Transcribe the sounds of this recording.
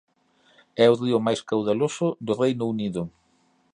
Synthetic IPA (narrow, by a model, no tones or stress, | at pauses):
ɛʊriʊmajskawðalosʊd̪ʊrejnʊuniðʊ